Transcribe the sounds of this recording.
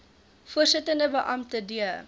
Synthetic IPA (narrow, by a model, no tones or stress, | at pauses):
fuərsətəndəbəʔɐmtədiə